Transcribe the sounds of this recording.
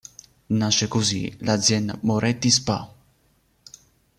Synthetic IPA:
naʃekozḭlad̪zjɛnamoɾʔɛt̪ːispa̰

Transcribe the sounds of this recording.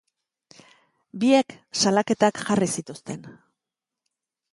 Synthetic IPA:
bie̞ksalake̞t̪akʝarisit̪ust̪e̞n

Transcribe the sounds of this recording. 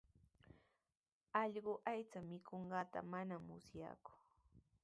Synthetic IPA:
ɑʎɢʊʔajt͡samɪkʰoɴɢɑːt̪a̰manamʊsja̰ːkʊ̥

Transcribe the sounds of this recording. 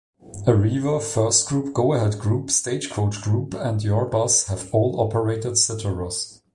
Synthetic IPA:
əɹivəfɜ˞stɡ̥ɹup̚ɡ̥oʊəhɛdɡɹuːpsteɪd͡ʒkʰoʊt͡ʃɡ̥ɹupə̃ndjɔɹbʌshəvɔːlˠɔpʰəɹeɪtəd̥sɪtəɹəz̥

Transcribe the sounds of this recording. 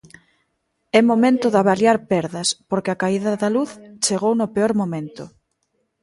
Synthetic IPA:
ɛmomẽnt̪ʊðaβaljaɾpɛɾðɐspoɾkɪakaiðɐðaluθt͡ʃeɣownʊpeoɾmomẽnt̪ʊ

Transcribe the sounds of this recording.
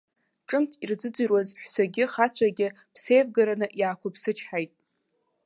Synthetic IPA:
ʈ͡ʂʼɨmtʰird͡zɨd͡zʷɨrwazħʷsarɡʲɪχat͡sʷʰaɡʲɪ | pʰse̞jvɡaɾanɨʔjaːkʷʰʊpʰsɨt͡ʃʰħajtʼ

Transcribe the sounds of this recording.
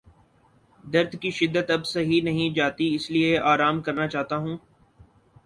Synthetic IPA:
d̪ɐɾd̪ʱkiʃɪd̪ːət̪ɐbsɐɦinɐɦĩd͡ʒaːt̪iɪslieʔaːɾaːmkɐɾnat͡ʃaːɦt̪aɦũː

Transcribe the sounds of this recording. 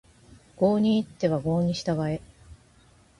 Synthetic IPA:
ɡ̥o̞ːɲ̟iːt̪ːe̞βaɡo̞ːɲ̟iɕi̥t̪aɡae̞

